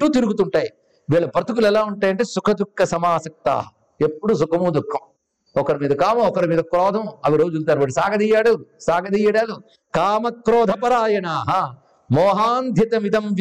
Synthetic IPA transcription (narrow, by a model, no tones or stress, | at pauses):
ʈːuːt̪iɾuɡut̪uɳʈaːji | ʋiːɭɐpɾɐt̪uk̬ulɛlaːuɳʈaːjɐɳʈeːsukʰɐd̪ukʰːɐsɐmaːsɐk̚t̪a̰ːɐ | epːuɽus̬ukʰɐmuːd̪ukʰːɐm | ɔkɐɾimiːd̪ɐkaːmɐɔkɐɾimiːd̪ɐkɾɔːd̪ʱɐmɐʋiɾoːd͡ʒult̪ɐːɾʋɐɽisaːɡɐd̪ijaːɽusaːɡɐd̪ijɐɽaːlu | kaːmɐkɾɔːd̪ʱɐpɐɾaːjɐnaːɦɐ | mɔːɦaːnd̪ʱjɐt̪ɐmid̪ɐmʋ